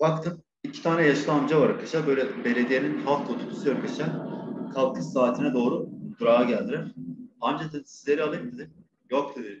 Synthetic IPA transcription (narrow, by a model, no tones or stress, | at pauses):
bakt̪ʰɯm | icʰit̪ʰaːnɛjaʃlˠamd͡ʒavaɾaɾkʰaʃabø̞jlʲɛbe̞lʲe̞d̪ijeninɦalˠt̪ʰot̪ʰobʰu̥sɯaɾkʰaʃakʰalˠkʰɯsaːt̪ʰinɛd̪o̞ːɾud̪uɾaːaɟælʲd̪iɾiɾand͡ʒat̪ʰɯnsizlʲe̞ɾialˠɯjɯmd̪id̪ʲi | jok̚t̪ʰud̪i